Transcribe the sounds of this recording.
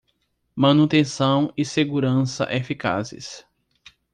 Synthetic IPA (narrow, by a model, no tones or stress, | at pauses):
mɐ̃nut̪ẽsɐ̃w̃ɪseɡuɾɐ̃sɐ̰ʔefika̰zɪ̰s